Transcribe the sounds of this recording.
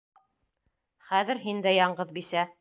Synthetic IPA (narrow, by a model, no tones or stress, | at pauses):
χæðɘ̆ɾɦind̪æjɑɴɢɤðbisæ